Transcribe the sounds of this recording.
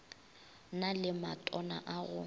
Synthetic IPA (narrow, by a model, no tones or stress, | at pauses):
nalɪmatʼɔna̰ʔaɣʊ